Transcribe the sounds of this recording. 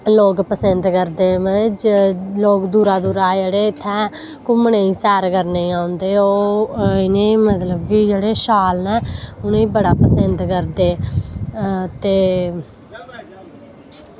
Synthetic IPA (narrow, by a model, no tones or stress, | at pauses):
loːkpəsənd̪kəɾd̪eːməd͡ʒloːkd̪uːɾaːd̪uːɾaːd͡ʒeːɽeːɪt̪ʰːɛː | kʊmneːĩːsɛːɾkəɾneĩːaːʊ̃nd̪eːoːɪnẽːmət̪ləbkɪd͡ʒeːɽeːʃaːlnɛːʊneːbəɽaːpəsənd̪kəɾd̪eː | t̪eː